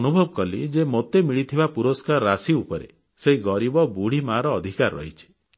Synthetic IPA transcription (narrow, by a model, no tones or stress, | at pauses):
nubʱɔbɔkɔlid͡ʒemot̪emiɭit̪ʰibapuɾoskaɾːasiupɔɾḛ | seiɡɔɾibɔbuɽ̤imaɾɔːd̪ʱikaɾɔːɔ̰ɦit͡ʃʰi̥